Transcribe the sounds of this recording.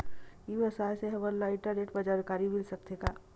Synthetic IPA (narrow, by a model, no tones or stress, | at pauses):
ibəsaːjseɦɐbəɾlaɪʈəɾeʈbəd͡ʒaːɾkaːɾimilsək̚t̪ʰekaː